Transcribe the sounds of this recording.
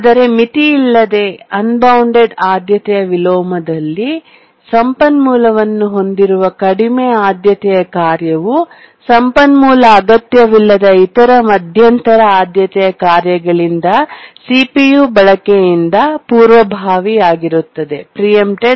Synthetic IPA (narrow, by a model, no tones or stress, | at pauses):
aːd̪ɐɾe̞mit̪iːlːɐd̪e̞ɐnbɐwɳɖe̞ɖaːd̪jɐt̪ɛjɐʋilɔːmɐd̪ɐlːi | sɐmpɐnmuːlɐʋɐnːuɦo̞nd̪iɾuʋɐkɐɽimɛjaːd̪jɐt̪ɛjɐkaːɾjɐʋu | sɐmpɐnmuːlɐːɡɐt̪jɐʋilːɐd̪ɐit̪ɐɾɐmɐd̪ʱjɐnt̪ɐɾɐaːd̪jɐt̪ɛjɐkaːɾjɐɡɐɭind̪ɐsiːpijuːbɐɭɐkejind̪ɐpuːɾʋɐbʱaːʋiaːɡiɾut̪ːɐd̪e̞pɾijemʈeɖ